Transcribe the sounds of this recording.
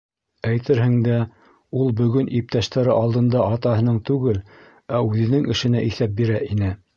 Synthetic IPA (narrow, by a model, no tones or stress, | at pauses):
æjt̪ʰɘɾhɘ̆ŋd̪æ | ulˠbɵ̆ɡɵnʔip̚t̪æʃt̪æɾɘʔɑlˠd̪ɤ̆nd̪ɑʔɑt̪ɑɦɤ̆nɤɴt̪ʉɡɘl | æʉðɘ̆nɘŋɘ̆ʃɘ̆næʔiθæp̚biɾæʔinɘ